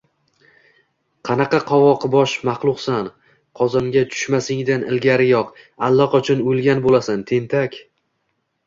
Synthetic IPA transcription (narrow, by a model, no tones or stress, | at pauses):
qʰɑnɑqɑqʰɒvɒqʰbɒʃmɑχlˠʊqsan | qʰɒzɒmɡʲat͡ʃʰʊ̥ʃmasɪŋd̪anʔɪ̰lɡʲaɾɪjɒq | alˠːɒqat͡ʃʰɒnojlˠɡʲanbolasant̪ʰe̞nt̪ʰakʲ